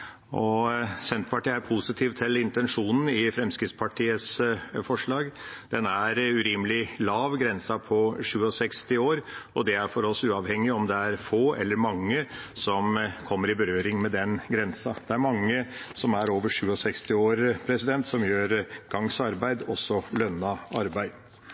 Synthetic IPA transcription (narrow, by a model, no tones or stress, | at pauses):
ʔɔsɛnt̪pʰɑʈiːæɾpʰusɪt̪ʰiːʋt̪ʰɪlɪnt̪ɛnʂuːnn̩ɪfɾɛmskɾɪt̪spʰɑʈʰiːəsfɔʂɭɑːɡd̪̥ɛnæɾʉɾiːməlɪlɑːʋɡɾɛnsɑpʰɔʂʉːəɔsɛkst̪ɪoːɾɔd̪ɛæɾfɔɾɔsʉːɑʋhɛŋːɪɔmd̪ɛæɾfoːʔɛ̰lːəɾmɑŋːəsɔmkʰɔmːəɾɪbəɾøːɾɪŋmɛd̪ɛnɡɾɛnsɑd̪̥ɛæɾmɑŋːəsɔmæɾoːʋəʂʉːɔsɛkst̪ɪoːɾpʰɾɛsɪd̪ɛnt̪sɔmjøːɾɡ̥ɑŋsɑɾbæɪd̪ɔsːɔlœnːɑɑɾbæɪd̪